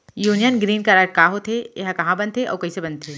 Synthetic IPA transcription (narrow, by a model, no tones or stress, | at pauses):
juːnijənɡɾiːnkaɾaɾkaːɦot̪ʰeeɦãkɐɦãbɐ̃nd̪t̪ʰeʔɔ̰ːɾkɐɦĩsebɐ̃nd̪t̪ʰeː